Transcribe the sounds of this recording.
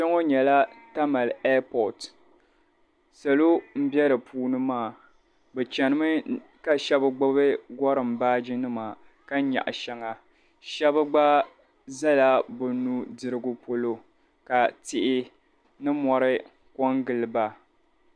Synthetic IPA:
t͡ʃɛ˦ŋo˦ɲɛ˨la˦ta˦ma˨lɛ˦pɔ˨t | sa˨lo˦m̩˦bjɛ˦ɾɨ˨pʰuː˦nɨ˦maː˦˨ | bɛ˨t͡ʃɛ˨nɨ˦mɨ˦ka˨ʃɛ˦bɨ˦ɡ͡ba˦bɨ˦ɡɔ˦ɾɨ˨m˨baː˦d͡ʒi˦nɨ˦ma˨ | ka˦ɲa̰˨ʔʃɛ˦ŋa˨ | ʃɛ˦bɨ˦ɡ͡ba˦ | za˦la˦bʊ˨nu˦dɨ˨ɾɨ˦ɡʊ˦po˦lo˦ | ka˨tɪ˨ʔɪ˦ | nɨ˦mɔ˨ɾɨ˦ | kɔ˦ŋɡɨ˨lɨ˨ba˦

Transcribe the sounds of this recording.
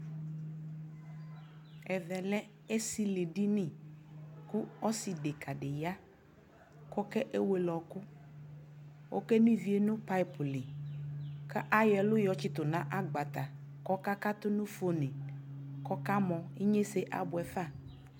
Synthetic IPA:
ɛ˨vɛ˨lɛ˦ | e˦si˦le˨ɖi˦nɪ̃˨ | ku˦ɔ˦si˨de˨ka˨ɖe˨ja˦ | kɔ˦kɛ˦ʔe˦we˨lɔ˨kʊ˦ | wʔo̰˦kɛ˦nĩ˦vi˨e˦nʊ̃˦pa˦i˨pʊ˨li˨ | ka˦ʔa˦jɛ˨lʊ˦jɔ˨t͡ɕɪ˦t̪ʊ˨nã˦ʔa˦ɡ͡ba˨t̪a˨ | kɔ˦ka˦ka˦t̪ʊ˦nʊ̃˦fo˦nẽ˨kɔ˦ka˦mɔ̃˨e˦ɲe˦se˦ʔa̰˨bʊ˨ɛ˨fa˦˨

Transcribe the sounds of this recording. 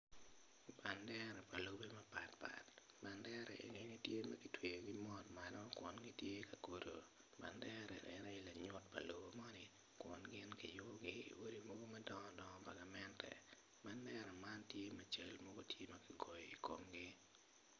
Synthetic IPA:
ba˨ndɛ˦ɾɛ˨pa˨lo˨be˦ma˦pa˨tpa̰˨t | ba˨ndɛ˦ɾʔɛ̰˨ʔḛ˨ŋe˦ni˦tje˦ma˦ki˨twe˨jo˨ɡi˦mɔ˦tma˨nɔ˦kwɔ˨nɡi˦tje˦ka˨ko˨ɾo̰˨ | ba̰˨ndɛ˦ɾɛ̰˨ʔɛ̰˨nɛ˦la˨ɲʊ˦t̚pa̰˨lo˨bo˨mɔ˦nɪ˨ | kwɔ˨nɡɪ˦nki˨jʊ˦bɡi˦ḭ˨wo˦ɾi˦mo˦ɡo˦ma˦dɔ˦ŋɔ˦dɔ˨ŋɔ˦pa˨ɡa˨mɛ˦ntɛ̰˨ | ba˦ndɛ˦ɾɔ˨ma˦ntje˦mɛ˨t͡ʃe˨lmo˦ɡo˦tje˦ma˦ki˨ɡɔ˨jɔ˨i˨ko̰˨mɡi˦

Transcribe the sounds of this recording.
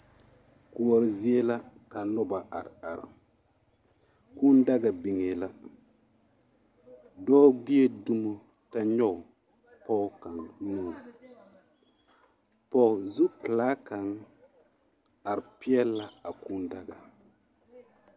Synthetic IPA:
ku˨ɔ˨ɾzi˦e˦la˦ka˨lʊ˦ba˨ʔa̰˨ɾa̰˨ɾ | ku˦nda˦ɡa˨bi˨ŋe˨la˦ | dɔː˦ɡ͡bi˦e˦du˦mo˦ | ta˦ɲɔ˦˨w | pɔ˦ka˨nnuː˦˨ | pɔ˦˨zu˦klaː˦ka˨n | a˨ɾpi˦ɛ˦lːa˦a˨ku˦nda˦ɡa˨

